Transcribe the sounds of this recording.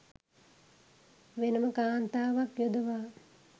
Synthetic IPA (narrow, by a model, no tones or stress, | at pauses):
ʋenəməkaːnt̪aːʋakjud̪əʋaː